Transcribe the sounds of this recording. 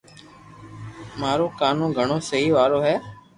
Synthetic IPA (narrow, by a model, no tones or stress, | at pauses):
maːɾoːkaːnõːɡʱəɳ̃oːsəɦiːʋaːɾoːɦɛː